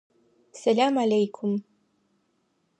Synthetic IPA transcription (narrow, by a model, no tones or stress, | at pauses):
salʲamalʲejkʰʊm